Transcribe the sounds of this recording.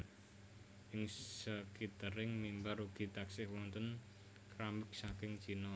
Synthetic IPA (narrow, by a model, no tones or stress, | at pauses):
ʔɪŋsəkit̪əɾɪŋmimbaruɡ̥i̤t̪aksɪhwɔnt̪ən | kɾamɪk̚sakɪŋt͡ʃinɔ